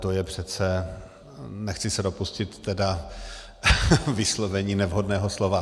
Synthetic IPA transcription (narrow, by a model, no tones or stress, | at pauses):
t̪ojɛpr̝̥ɛt͡sɛ | nɛxt͡sɪsɛdo̞puscɪt̪ːɛda | vɪslovɛɲiːnɛvɦodnɛːɦoslo̞va